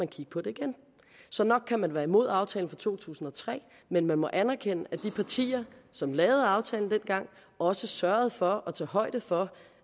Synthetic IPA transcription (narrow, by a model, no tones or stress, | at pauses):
ænkʰiɡ̥ə̥pʰɒ̽d̥e̝iɡ̥en | sɒ̽nɒ̽ɡ̥̚kʰːæmænʋæɐimo̝ð̞̰ˠɑ̈ʊt͡sʰɛːln̩fɑt͡sʰo̝̰ːt͡sʰṵːsn̩ɒ̽t͡sʰʁɛ̰ː | menmænmɒ̽ʔænæɐkʰenəʔæd̥ipʰɑ̈t͡sʰḭːɐsɒ̽mlɛːʊð̞̩ˠɑ̈ʊt͡sʰɛːln̩d̥enɡ̥ɑ̈ŋ̰ | ɒ̽səsɶɐð̞̩ˠfɒ̽ɒt͡sʰɛ̰ːɦɒ̽ɪ̰d̥əfɒ̽